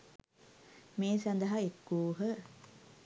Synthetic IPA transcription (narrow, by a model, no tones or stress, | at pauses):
meːsɐnd̪ɐɦɐekːuːɦə